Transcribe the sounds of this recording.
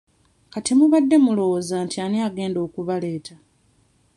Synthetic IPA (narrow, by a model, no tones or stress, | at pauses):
katimuβadːe̞mulo̞wozaːntianiaɡe̞ːndo̞ːkuβale̞ːtʰa